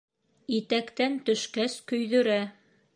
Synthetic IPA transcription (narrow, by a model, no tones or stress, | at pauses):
it̪ækt̪ænt̪ɵ̆ʃkæskɵ̆jðɵ̆ɾæ